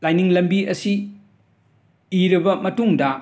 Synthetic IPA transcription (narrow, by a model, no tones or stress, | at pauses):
lajniŋlɐmbiɐsi | iɾɐbɐmɐtuŋdɐ